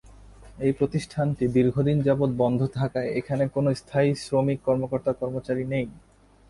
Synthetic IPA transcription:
ejpɾot̪iʃʈʰanʈid̪iɾɡʱod̪ind͡ʑabot̪̚bɔnd̪ʱot̪ʰakaeekʰanekonost̪ʰaisɾomikːɔɾmokoɾt̪akɔɾmot͡ɕaɾinej

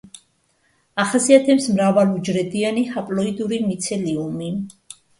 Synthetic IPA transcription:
aχasiat̪ʰɛpsmɾavalud͡ʒɾɛd̪ianihapʼlɔid̪uɾimit̪sʰɛliumi

